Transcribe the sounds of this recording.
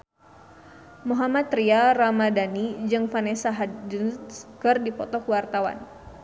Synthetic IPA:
muɦamat̪ɾiaramadanid͡ʒɨŋfanɛsaɦad͡ʒənkɨrdipɔt̪ɔkəwart̪awa̰n

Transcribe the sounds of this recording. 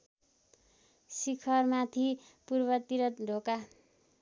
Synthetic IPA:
sikʰʌrmat̪ʰipurbʌt̪iɾʌt̪ɖʱoka

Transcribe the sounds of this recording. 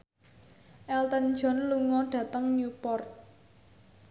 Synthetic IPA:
ʔɛlt̪ən̥d͡ʒɔ̤nluŋɔɖ̥ä̤t̪əŋnupɔrt̪̚

